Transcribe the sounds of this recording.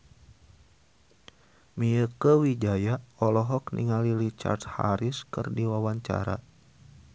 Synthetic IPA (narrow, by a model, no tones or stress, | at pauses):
miəkəwid͡ʒajaɔlɔɦɔk̚nḭŋaliɾit͡ʃa̰rt̪ha̰ɾiskɨrdiwawaɲt͡ʃa̰ɾa̰